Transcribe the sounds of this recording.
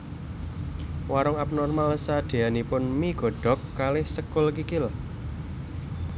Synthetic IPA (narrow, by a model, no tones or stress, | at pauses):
waɾɔŋap̚nɔrmalsad̪̥e̤anipʊnmiɡ̥ɔ̤ɖ̥ɔ̤kːalɪhsəkʊlkikɪl